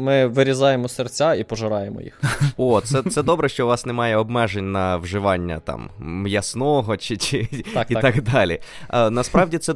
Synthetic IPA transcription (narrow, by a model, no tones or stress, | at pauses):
mɪʋɪɾʲizɑjemɔsert͡sʲaipɔʒɐɾɑjemɔ̰jḭxɔt̪ssɛsɛd̪ɔbɾɛʃt͡ʃɔʋɑsnɛmɑjɛɔbmɛʒenʲnɐʋʒɪʋɑnʲːɐ̰t̪ɑ̰mjɐsnɔɦɔt͡ʃɪt͡ʃɪit̪ɑkd̪ɑlʲḭnɐspɾɑʋdʲit̪sɛ